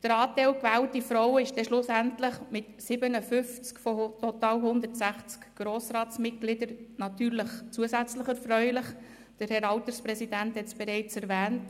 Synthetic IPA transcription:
d̥əɾɑːtɛɪlkvæːltifɾɔwəɪʃd̥ɛʃlʊsæntləχmɪtsɪbənəfʏft͡skfɔtɔtɑːlhʊnd̪əɾtsæχt͡skɡ̥ɾoːsɾɑːtt͡smɪt̚ɡ̥lɪdəɾnɑtyːɾləχt͡suəsæt͡sləχɛɾfrœʏlɪχ | d̥əɾhɛɾɑlt̪əɾspɾɛsidænthɛt͡sb̥ɛɾɛɪt͡sɛɾvɛːnt

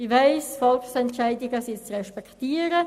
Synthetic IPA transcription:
iʋaɪsfɔlksɛntt͡ʃaɪdɪɡəsit͡sʁɛʃpɛktiːəɾə

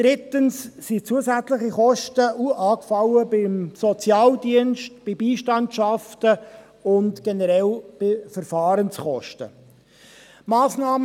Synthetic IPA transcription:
d̥ɾɪtənssit͡suəsæt͡slɪχiχɔʃtəʔuɑːkfɑləbɪmsɔt͡sjɑːldiənʃtb̥ibiːʃtɑntʃɑftə | ʊntɡ̥ɛnəɾɛlb̥ɪfɛɾfɑːɾənsχɔʃtə̰ | maːsnɑːm

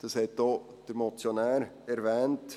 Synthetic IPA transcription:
d̥ɑshɛtd̥oː | d̥əɾmɔt͡sjonæːɾ | ɛɾvɛːnt

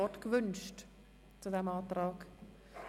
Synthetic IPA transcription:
ɔtkvʏnʃt | t͡sudɛmɑːtɾɑːɡ

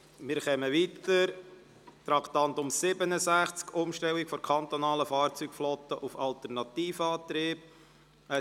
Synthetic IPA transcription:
mɪːɾχɛməʋiːt̪əɾ | t̪ɾɑkt̪ɑnt̪ʊmsɪbənəsæχt͡skʊmʃtɛlːikfɔɾkʰɑnt̪ɔnɑːləfɑːrt͡syːkflɔt̪əʔufɑlt̪əɾnɑt̪iːfəɑːt̪ɾɪːb | ə

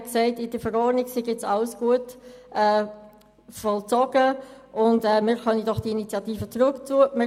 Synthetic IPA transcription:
kseɪtɪd̥əfəɾɔɾnɪɡsɪɡɪt͡sɑʊəsɡ̥uətɛː | fɔlt͡sɔɡ̥əʔʊndɛmɪːɾχœnidɔχd̥iinit͡sjɑtiːfət͡sɾʊkt͡suəmɪ

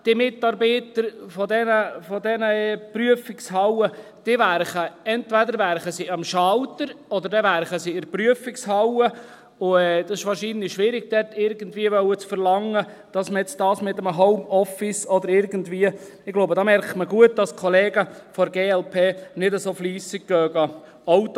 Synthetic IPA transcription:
d̥ɪmɪtɑɾbiːt̪əɾfɔdɛnəfɔdɛnəɛpryəfɪkshɑwəd̥iʋæɾχəɛntvæd̪əɾvæɾχəsiɑmʃɑlt̪əɾɔd̪əɾdɛʋæɾχəsiɪɾpryəfɪkshɑwə | ʊɛːd̥̪ɑsɪʃʋɑːɾʃiːnliʃʋɪɾɪɡ̚d̥̪ɛtɪɾɡəndʋiəʋœwət͡sfəɾlɑŋːə | d̥ɑsməjɛt͡sd̥ɑːsmɪt̪əməɦɔʊmɔfɪsɔd̪əɾɪɾɡəndviːə | ɪɡloʊbədɑːmɛɾktməɡuət̚d̥ɑskʰɔleːɡəfɔɾɡeːɛlpʰeːnɪdəsoːfliːsɪɡ̥̚ɡ̥œːɡɑ | owt

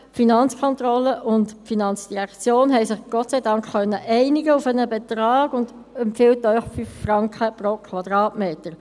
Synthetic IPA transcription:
finɑnt͡skʰɔntɾɔlːəʔʊntfinɑnt͡sd̥iʁækt͡sjoːnɦɛjsɪχɡ̥ɔtt͡sɛɪdɑŋkχːœnːəʔɛɪnɪɡəufənəbɛt̪ɾɑːɡ̥ʊndɛmpfɪltːœʏχfyfːɾɑŋkχəpɾokʰʋɑd̪ʁɑːtmeːtəɾ

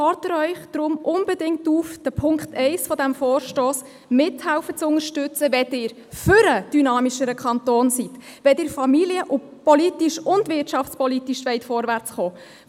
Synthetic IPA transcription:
ɑːɾtəɾœʏχd̥ɾʊmʔʊnbɛdɪŋtuːfd̥əpʰʊŋktʰɛɪsfɔdæmfɔːrʃtoːs | mɪthɛlfət͡sʊŋəʃtʏt͡səvɛtɪːɾ | fʏɾəd̥ynɑːmiʃəɾəkʰɑntoːnsitʋɛtɪːɾfɑmiljəʔʊpɔlitiʃʊndvɪrtʃɑft͡spɔlitiʃʋɛɪtfɔːɾvært͡sχoː

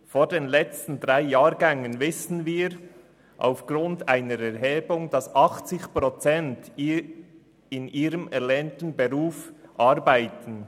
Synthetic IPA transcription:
foːdeːnlɛt͡stn̩dʁaɪjaːɾɡɛŋənvɪsn̩viːɾ | ʔa̰ʊfɡ̥ɾʊntaɪnəɾɛɾɦeːbʊŋd̥ɑsʔɑχt͡sɪçpʁɔt͡sɛnt | ɪnʔiːɾəmɛɾlɛːntn̩beɾuːfʔɑɾbaɪtn̩

